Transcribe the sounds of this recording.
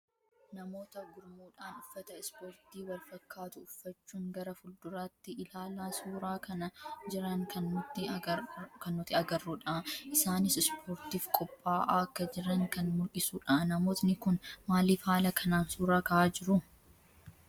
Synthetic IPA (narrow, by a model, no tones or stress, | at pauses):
nɐmo̞ːt̪ɐɡʊɾmuːᶑaːnʊfːɐt̪ɐɪspoːɾt̪iːwɐlfɐkːaːt̪ʊːfːɐt͡ʃːuːŋɡɐɾɐfʊld̪ʊɾaːt̪ːɪɪlaːlaːsuːɾaːkɐnɐd͡ʒɪɾɐŋkʰɐnːʊt̪ːɪ | kɐnːʊt̪ːɪɐɡɐrːuᶑɐʔʔɪsaːnɪsɪspʰoːɾt̪iːfkʼɔpʼːaːʔaɐkːɐd͡ʒɪɾɐŋkɐnmʊlkʼɪsuːᶑɐaʔnɐmo̞ːt̪nɪkʊnmaːliːfaːlɐkʰɐnaːnsuːɾaːkɐʔaːd͡ʒɪɾʊ